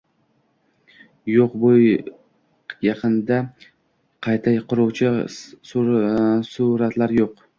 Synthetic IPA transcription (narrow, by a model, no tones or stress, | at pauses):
joqbʊj | jɑqʰɨnd̪a | qʰɑjt̪ʰajqʰʊɾʊwt͡ʃʰɪ | suɾat̪laɾjoq